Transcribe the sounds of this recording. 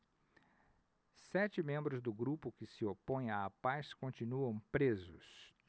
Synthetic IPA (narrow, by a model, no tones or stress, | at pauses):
sɛt͡ʃɪmẽmbɾʊzd̪ʊɡɾupʊkɪsɪopõj̃aːpaskõnt͡ʃinuɐ̃w̃pɾezʊs